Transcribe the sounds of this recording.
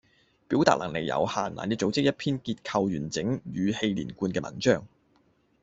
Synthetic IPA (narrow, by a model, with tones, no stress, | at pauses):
piː˨˥wt̪aː˨lʔɐ˨˩ŋle˨˩jjɐ̰˨˧wha̰ː˨˩nla̰ː˨˩nkɛː˧t͡so˨˥wt͡sɪ˥k̚jɐ˥t̚pʰiː˥nkiː˧t̚kʰɐ˧wjyː˨˩nt͡sɪ˨˥ŋjyː˨˧he˧jlḭː˨˩nkuː˧nkɛː˧mɐ̰˨˩nt͡ʃœː˥ŋ